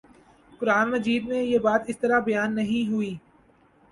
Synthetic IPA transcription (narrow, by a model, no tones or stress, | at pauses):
kʊɾaːnmɐd͡ʒiːd̪mẽjebaːt̪ɪst̪ɐɾabɐjaːnːɐɦĩɦʊiː